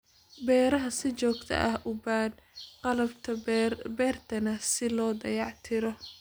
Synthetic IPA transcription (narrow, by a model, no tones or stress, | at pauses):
bɛːɾɐɦɐsɪt͡ʃɔːɡt̪ʰɐ̰ʔɐhʔʊbaːd̪qɑlɐbt̪ʰɐbɛːrt̪ʰɐnɐsɪlɔːd̪ɐ̰jɑʕt̪ʰɪɾɔ